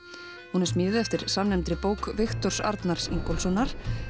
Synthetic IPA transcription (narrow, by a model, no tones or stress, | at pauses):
hunɛɾsmɪːðɪɛft̪ɪɾ̥samnɛmt̪ɾɪpoːwkvɪxt̪ɔr̥sa̰ɾt̪naɾ̥siŋkolsɔnːaɾ̥